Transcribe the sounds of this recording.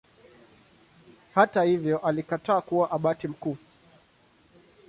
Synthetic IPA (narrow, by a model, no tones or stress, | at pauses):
hatahivjɔʔalikataːkuwaʔaɓatim̩kuː